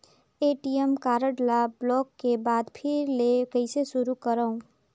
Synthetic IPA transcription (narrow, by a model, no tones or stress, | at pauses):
eːʈijemkaːɾəɖlablɔːkːebaːd̪pʰɪɾlekəɪseʃʊɾukəɾəũ